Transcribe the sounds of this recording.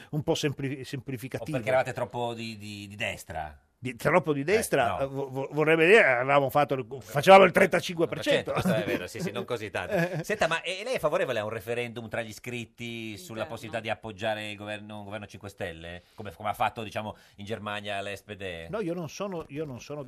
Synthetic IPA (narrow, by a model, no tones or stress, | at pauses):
umpɔsemplisemplifikat̪iːeɾkeːɾavaːt̪et̪ɾɔpːod̪id̪id̪id̪ɛst̪ɾa̰ | d̪it̪ɾɔpːod̪id̪ɛst̪ɾavovovorːɛbed̪iːɾeavevaːmofat̪ːofat͡ʃevaːmoilt̪ɾent̪at͡ʃiŋkweppert͡ʃt͡ʃɛɛt̪oved̪osisnoŋkozit̪ːa̰nsɛnt̪amaʔɛlɛjɛfːavoɾeːvoleaũnrefeɾɛnd̪umt̪ɾaʎːiskɾit̪ːisulːaposːibit̪ad̪iapːod͡ʒːaːɾeilɡovɛrnoiɡovɛrnot͡ʃiŋkwest̪ɛlːḛkomekomeafːat̪ːod̪it͡ʃaːmo | ind͡ʒermanjalɛsped̪ɛnɔiononsoːnoiːononsoːno